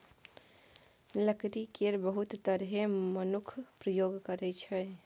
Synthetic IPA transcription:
ləkɾikeɾbəɦut̪t̪əɾɦemənukʰpɾəjoɡkəɾɛt͡ʃʰɛ

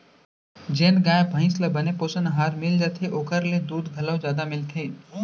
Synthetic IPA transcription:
d͡ʒeːnɡãːjebʱə̃ɪ̃sləbənepoːsənɦaːɾmɪld͡ʒaːt̪ʰeʔoːkəɾled̪uːd̪ɡʱɐləwd͡ʒjaːd̪amɪlt̪ʰeː

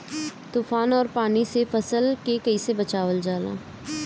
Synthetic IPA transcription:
t̪uːfaːnɔːɾpaːnisefɐsəlkekɐisebɐt͡ʃaːʋəld͡ʒaːla̰ː

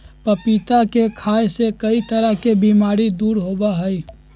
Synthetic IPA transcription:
pɐpit̪akekʰaːjsekɐit̪əɾəɦkebiːmaːɾid̪uːɾɦoːbaɦəi

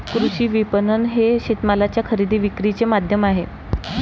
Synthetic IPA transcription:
kɾuɕiːʋipənənɦeɕit̪malat͡ɕjakʰəɾid̪iːʋikɾit͡semad̪ʱjəmaɦe

